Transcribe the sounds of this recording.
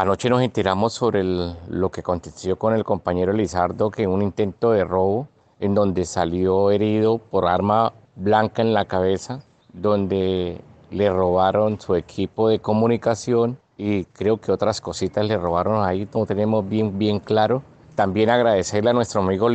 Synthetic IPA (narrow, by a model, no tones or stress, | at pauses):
anot͡ʃe̞no̞se̞nt̪e̞ɾamo̞sːo̞βɾe̞lo̞keako̞nt̪e̞sjo̞ko̞ne̞lko̞mpaɲe̞ɾolisaɾd̪o̞keunint̪e̞nt̪o̞ðe̞ro̞βo̞ | e̞nd̪o̞nd̪e̞saljoe̞ɾiðo̞po̞ɾaɾma | βlaŋkae̞nlakaβe̞sa | ðo̞nd̪e̞le̞ro̞β̞aɾo̞nsue̞kʰipo̞ðe̞ko̞munikasjo̞n | ikɾe̞oke̞o̞t̪ɾasko̞sit̪asle̞ro̞βaɾo̞nainot̪e̞ne̞mo̞zbje̞ŋbje̞ŋklaɾo̞ | t̪ambje̞naɣɾaðe̞se̞ɾleanwest̪ɾoamiɣo